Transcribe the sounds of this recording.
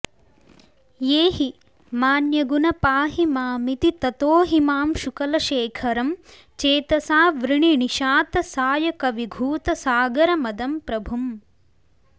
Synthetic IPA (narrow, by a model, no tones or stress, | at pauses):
jeːɦi | maːnjɐɡunɐpaːɦimaːmit̪it̪ɐt̪oːɦimaːmʃukɐlɐʃeːkʰɐɾɐm | t͡ʃeːt̪ɐsaːʋɾiɳiɳiʃaːt̪ɐsaːjɐkɐʋiɡʱuːt̪ɐsaːɡɐɾɐmɐd̪ɐmpɾɐbʱum